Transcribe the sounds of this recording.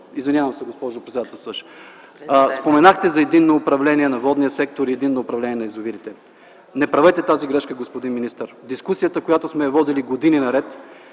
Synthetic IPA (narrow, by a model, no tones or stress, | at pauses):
izvinʲjavɐmsɛɡospɔʒopɾɛt̪sɛd̪at̪ɛlˠst̪əʃ | spomɛnaxt̪ɛzɐɛd̪inːoːpɾɐvlɛniɛnɐvɔd̪nijəsɛkt̪oɾiɛd̪inːoːpɾɐvlɛnʲiɛnɐizoviɾit̪ɛ | nɛpɾɐvɛt̪ɛt̪aziɡɾɛʃkəɡospod̪inminist̪əɾd̪iskusijət̪əkojat̪osmɛvɔd̪iliɡod̪ininɐɾɛt̪